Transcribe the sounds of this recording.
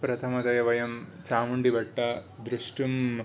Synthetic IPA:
pɾɐt̪ʰɐmɐd̪ɐjɐʋɐjɐmt͡ʃaːmuɳɖibɐʈːɐd̪ɾuʂʈum

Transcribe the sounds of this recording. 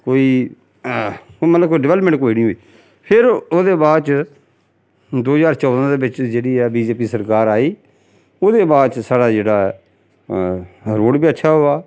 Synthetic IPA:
koːiː | mət̪ləkoiɖɪʋɛːləpmə̃ɳʈkoːiːnĩːɦoːiː | pʰɪɾoːd̪eːbaːd̪t͡ʃ | d̪oːzaːɾt͡ʃɔːd̪ãːd̪eːbɪt͡ʃd͡ʒeːɽiːɛːbiːd͡ʒeːp̬iːsəɾkaːɾaːiː | oːd̪eːbaːd̪t͡ʃsaːɽaːd͡ʒeːɽaː | ɾoːɽbiːətːʃʰaːɦoːaː

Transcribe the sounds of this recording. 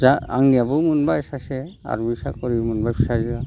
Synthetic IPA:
zaa̰ŋnijabɔmunbaɛsasɛa̰ɹubisakɔɹimunbajbʰisaziba

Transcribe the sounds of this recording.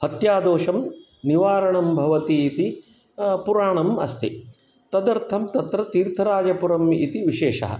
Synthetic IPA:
hɐt̪jaːd̪oːʃɐm | niʋaːɾɐɳɐmbʱɐʋɐt̪iːt̪i | puɾaːɳɐmɐ̰st̪i | t̪ɐd̪ɐɾt̪ʰɐmt̪ɐt̪ɾɐt̪iːɾt̪ʰɐɾaːd͡ʒɐpuɾɐmit̪iʋiʃeːʃɐ̰ɦɐ̰

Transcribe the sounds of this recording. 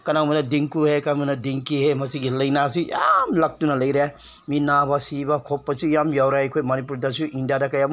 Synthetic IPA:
kɐnaŋmɐnɐdiŋkuhekaŋmɐnɐdiŋkiɦemɐsiɡilɐjnas̬ijamlɐk̚tunɐlɐjɾe | minabɐsibɐkʰopːɐsujamjawɾeɐjkʰojmɐnipuɾdasuʔindijadɐkɐjam

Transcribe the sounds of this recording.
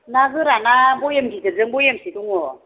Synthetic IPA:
nazɯɾanabojemɡitəd͡zəŋbojemsituŋɔ

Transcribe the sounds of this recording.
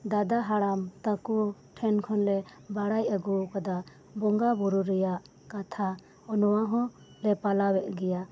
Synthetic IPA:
d̪ad̪aɦaɽamt̪akuʈʰɛnkʰɔnlɛ | baɽajaɡukad̪a | bɔŋɡabɔɾuɾɛjaʔ | kat̪ʰa | ɔnɔwaɦɔ̃ | lɛpalawɛʔ̚ɡɛja

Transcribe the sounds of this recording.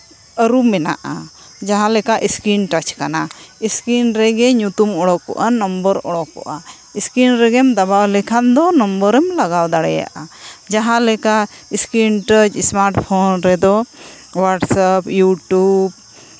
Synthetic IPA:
əɾumɛna̰ʔa | d͡ʒaɦãlɛkaʔiskɾinʈat͡ʃkanaiskinɾɛɡɛɲut̪umɔɽɔkːɔ̰ʔanɔmbəɾɔɽɔkːɔ̰ʔa | iskinɾɛɡɛmd̪abawlɛkʰand̪ɔnɔmbəɾɛmlaɡawd̪aɽɛja̰ʔad͡ʒaɦãlɛka | iskinʈət͡ʃsmaɾʈpʰɔnɾɛd̪ɔ | waʈsapjuʈub

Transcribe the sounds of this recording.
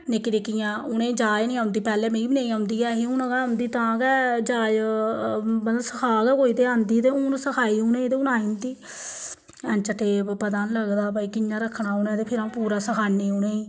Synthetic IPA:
nekɪɾekɪjãːʊnẽːd͡ʒaːjnĩːãːʊ̃nd̪iːpɛːlɛːmẽːiːbɪnãːijaːʊ̃nd̪iːɛːɦiːʊnɡɛːaʊnd̪iːt̪ãːɡɛːd͡ʒaːj | mət̪ləsəkʰaːɡɛːkoːit̪eːãːnd̪iːt̪eːʊnsəkʰaːiːʊnẽːt̪eːʊnaːĩːnd̪iː | ɛ̃nt͡ʃəʈeːbpəd̪aːnləɡd̪aːbaːiːkɪnjãːɾəkʰːnaːʊnẽːt̪eːpʰɪɾaːũːpuːɾaːsəkʰaːneːʊnẽːi

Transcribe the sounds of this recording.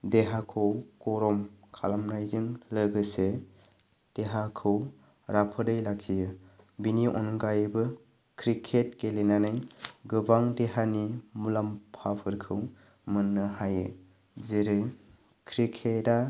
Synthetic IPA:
deɦakʰɯwkɔɾɔmkʰa̰lamnajzɯŋlɯɡɯse | d̥eɦakʰɯw | ɾapʰɯdɯjlakʰijɯ | biniʔɔ̰nɡajbɯ | kʰɾikʰet̚kelenanɯjɡɯbaŋdeɦanimulampʰapʰɯɾkʰɯw | mɯnːɯhajɯ | ziɾɯ | kʰɾikʰeta

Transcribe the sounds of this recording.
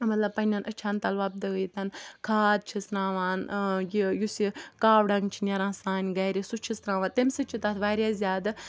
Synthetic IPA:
mɐt̪lɐbpɐnʲɐnʔət͡ʃʰant̪ɐlʋɐb̚d̪ɐɡəjt̪ɐnkʰaːd̪̚t͡ʃʰisɾaːʋaːnjijusikaːʋɖɐŋɡt͡ʃʰinʲɐɾãːsaːnʲɡɐjɾʲisut͡ʃʰisɾãːʋãnt̪emʲsɨt͡ʃʰit̪ɐt̪ʰʋaːɾʲjazʲjaːd̪ɨ

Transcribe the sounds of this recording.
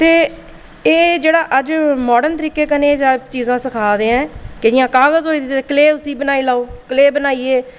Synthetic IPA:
t̪eː | eːd͡ʒeːɽaːʔəd͡ʒmɔːɖənt̪əɾiːkeːkəneːzaːt͡ʃiːzãːsəkʰaːd̪eːãːked͡ʒɪjãːkaːɣəzɦoːiːd̪ɪt̪ːekəleːʊsiːbənaːiːlaːoːkəleːbənaːiːeː

